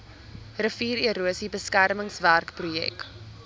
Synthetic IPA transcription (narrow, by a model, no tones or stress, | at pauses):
rəfiːɾiəɾuəsibəskærməŋsværkprujɛ̰k